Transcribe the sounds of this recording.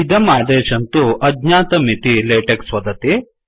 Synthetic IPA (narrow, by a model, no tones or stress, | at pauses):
id̪ɐmaːd̪eːʃɐnt̪uʔɐɡɲaːt̪ɐmit̪ileːʈɐksʋɐd̪ɐt̪i